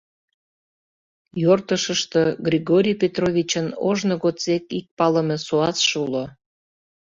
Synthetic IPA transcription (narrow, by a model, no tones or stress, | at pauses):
jort̪əʃəʃt̪əɡrʲiɣoɾʲijpʲet̪rovʲit͡ɕəno̰ʒnoɣot͡sekik̚pɑləmesoɑt͡sʃulo